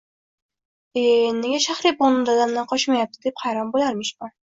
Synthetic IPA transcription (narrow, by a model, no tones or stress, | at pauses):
enːeɡʲaʃaχɾɪpɒnɪmd̪ad̪amlanqʰɒʃmajap̚t̪ʰɪd̪ephajɾɒnbolaɾmɪʃman